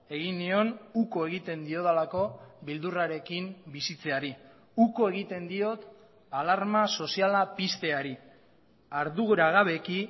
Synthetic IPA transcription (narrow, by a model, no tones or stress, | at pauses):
e̞ɣinːio̞nuko̞e̞ɣ̞it̪e̞nd̪io̞ðalako̞βild̪uraɾe̞kimbisit͡se̞aɾi | uko̞e̞ɣit̪e̞nd̪io̞t̪ | alaɾmaso̞sialapist̪e̞aɾi | aɾðuɣuɾaɣaβe̞ki